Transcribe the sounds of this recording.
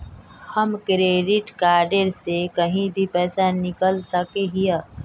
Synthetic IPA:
həmkɾeːɖɪʈkaːɾɖeɾsekəɦĩbʱipɛːsanɪkəlsəkeɦijə

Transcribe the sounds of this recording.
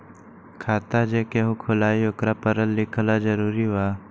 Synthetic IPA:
kʰaːt̪ad͡ʒekeɦũkʰʊlaːiokɾapəɾəlːɪkʰlad͡ʒəɾuːɾiʋaː

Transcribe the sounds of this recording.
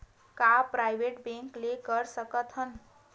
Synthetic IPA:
kapɾajbeʈbẽŋklekəɾsəkət̪ɦən

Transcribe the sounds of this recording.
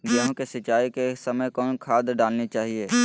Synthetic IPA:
ɡeːɦõkesɪt͡ʃaːikesɐməjkɔːnkʰaːd̪ɖaːlnit͡ʃaːɦieː

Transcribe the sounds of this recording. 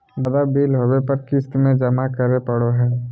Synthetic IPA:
bəd̪abiːlɦowepɐɾkɪst̪mẽd͡ʒəmakəɾepəɽoɦɛː

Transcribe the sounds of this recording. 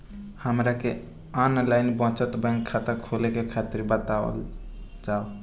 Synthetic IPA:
həmɾake | anlaɪnbɔ̃t͡ʃət̪bə̃ŋkʰat̪əkʰolekekʰat̪iɾbət̪aə̰l | d͡ʒao

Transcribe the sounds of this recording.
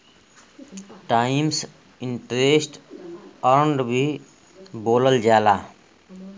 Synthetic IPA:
ʈaims | iɳʈɾesʈ | əɾɳɖbʱi | boːləld͡ʒala

